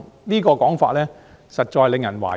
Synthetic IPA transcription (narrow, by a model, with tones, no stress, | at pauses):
niː˥kɔː˧kɔː˨˥ŋfa̰ː˧t̚lɛː˥ | sɐ˨t̚t͡ʃɔː˧jle˨˧ŋjɐ˨˩nwa̰ː˨˩